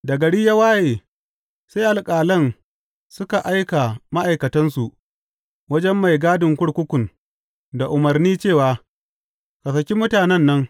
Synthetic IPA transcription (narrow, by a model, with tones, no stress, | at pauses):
dɐ˨ɡɐ˨ɽi˦ja˦waː˦jeː˨ | sa˦jʔa˨lkʼaː˨lɐ˦˨n | sʊ˦ka˨ʔa˦jka˨ma˦ʔa˨jkɐ˨tɐ˦nsu˨ʔ | wɐ˦d͡ʒɛ˦mːa˨jɡaː˦dɪ˨ŋkʷʊ˦ɽkʷʊ˦kʷʊ˨n | da˨ʔʊ˨mɐ˨rniː˦t͡ʃeː˦˨waː˨ | ka˨s̬ɐ˨kʲi˦mʊ˦taː˨nɛ˦˨nːɐ˦ŋ